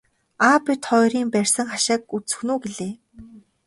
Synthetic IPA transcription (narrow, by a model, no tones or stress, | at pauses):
aːpit̪χɔːjɾiːmpærʲsə̆ŋχaʃaːkut͡sɵ̥̆xnuːɡeɮeː